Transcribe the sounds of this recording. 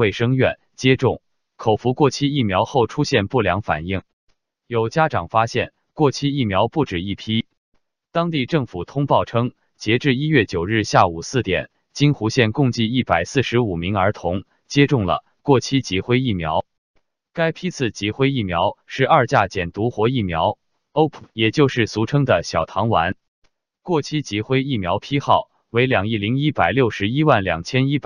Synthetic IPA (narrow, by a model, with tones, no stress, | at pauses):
we˥˩ɪʂɤ˥ŋɥɛ˥˩n | t͡ɕjɛ˥ʈ͡ʂʊ˥˩ŋ | kʰo˨˩ʊfu˧˥kwɔ˥˩t͡ɕʰi˥i˥˩mjɑ˧˥ʊxo˥˩ʊʈ͡ʂʰu˥ɕjɛ˥˧npu˥˩ljɑ̰˧˥ŋfa̰˨˩ni˥˩ŋ | jo˨˩ʊt͡ɕja˥ʈ͡ʂɑ˨˩ŋfa˥ɕjɛ̰˥˩n | kwɔ˥˩t͡ɕʰi˥i˥˩mjɑ˧˥ʊpu˥˩ʈ͡ʂɻ̩˨˩i˥˩pʰi˥ | t̪ɑ˥ŋt̪i˥˧ʈ͡ʂɤ˥˩ŋfu˨˩t̪ʰʊ˥ŋpɑ˥˩ʊʈ͡ʂʰɤ˥ŋ | t͡ɕjɛ˧˥ʈ͡ʂɻ̩˥˧i˥ɥɛ˥˩t͡ɕjo˨˩ʊɻ̩˥˧ɕja˥˩u˨˩sɹ̩˥˩t̪jɛ̰˨˩n | t͡ɕi˥nxu˧˥ɕjɛ˥˧nkʊ˥˧ŋt͡ɕi˥˧i˥˩pa˨˩ɪsɹ̩˥˩ʂɻ̩˧˥u˨˩mi˧˥ŋə˞˧˥t̪ʰʊ˧˥ŋ | t͡ɕjɛ˥ʈ͡ʂʊ˥˩ŋlə̰˩ | kwɔ˥˩t͡ɕʰi˥t͡ɕi˧˥xwe˥ɪi˥˩mjɑ̰˧˥ʊ | ka˥ɪpʰi˥t͡sʰɹ̩˥˩t͡ɕi˧˥xwe˥ɪi˥˩mjɑ˧˥ʊʂɻ̩˥˧ɐ˞˥˧t͡ɕja˥˩t͡ɕjɛ˨˩nt̪u˧˥xwɔ˧˥i˥˩mjɑ̰˧˥ʊ | o˥ʊpʰjɛ˨˩t͡ɕjo˥˧ʊʂɻ̩˥˩su˧˥ʈ͡ʂʰɤ˥ŋd̪ə˨ɕjɑ˨˩ʊt̪ʰɑ˧˥ŋwa̰˧˥n | kwɔ˥˩t͡ɕʰi˥t͡ɕi˧˥xwe˥ɪi˥˩mjɑ˧˥ʊpʰi˥xɑ˥˩ʊ | we˧˥ɪljɑ˨˩ŋi˥˩li˧˥ŋi˥pa˨˩ɪljo˥˩ʊʂɻ̩˧˥i˥wa˥˩nljɑ̰˨˩ŋt͡ɕʰjɛ˥ni˥p